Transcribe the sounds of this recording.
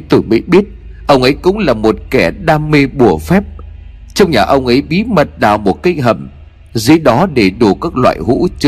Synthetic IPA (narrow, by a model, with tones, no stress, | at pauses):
t̪ɨ˨˩mḭ˧˥ɓi˦˥ət̚ʔə˧wŋ͡mʔə˨˦jkʊ̰˧˥ŋ͡mlaː˨˩mo˨˩t̚kɛ˧˩ɗaː˧me˧ɓu˧˩əfɛ˦˥p̚ | t͡ɕɔ˧wŋ͡mɲaː˨˩ʔə˧wŋ͡mʔə˨˦jɓi˨˦mə˨˩t̚ɗaː˨˩wmo˨˩t̚ki˦˧ŋɦə̰˨˩m | zɨ̰˧˦ɗɔ˨˦ɗe˧˩ɗu˧˩kaː˦˥k̚lwa̰ː˧˨jɦṵ˧˥t͡ɕɨ˨˦